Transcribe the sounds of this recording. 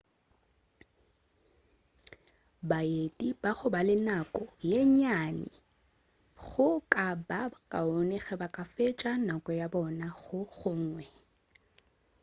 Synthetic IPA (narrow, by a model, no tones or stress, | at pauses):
baetʼibaɣʊbalɪnakʼɔjeɲanɪ̰ | ɣʊkʼabakʼaonɛɣɛbakʼafet͡ʃʼanakʼɔjabɔnaɣʊɣʊŋ̩ːwɛ